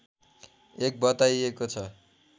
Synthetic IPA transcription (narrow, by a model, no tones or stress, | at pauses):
ek̚bʌt̪ajekot͡sʰʌ